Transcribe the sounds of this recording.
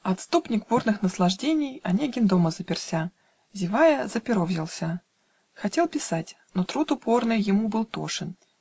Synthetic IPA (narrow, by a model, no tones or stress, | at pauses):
ɐt̪st̪upnʲɪk̚burnɨxnəslˠɐʐdʲenʲɪjɐnʲeɡʲɪnd̪oməzəpʲɪrsʲa | zʲɪvajəzəpʲɪɾovzʲɪlˠsʲə | xɐtʲe̞lˠpʲɪsatʲ | no̞t̪ɾut̪ʊpo̞rnɨjjːɪmubɨlˠt̪o̰ʂɨn